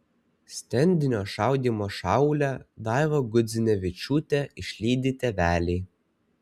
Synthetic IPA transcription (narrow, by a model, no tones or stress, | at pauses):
sʲt̪ʲɛnʲd̪ʲɪnʲoːʃɑˑʊd̪ʲiːmoːʃɑˑʊlʲæd̪ɑˑjʋoːɡʊd̪zʲɪnʲɛʋʲɪt͡ʃʲuːt̪ʲɛɪʃʲlʲiːd̪ʲɪt̪ʲɛʋʲæːlʲɛː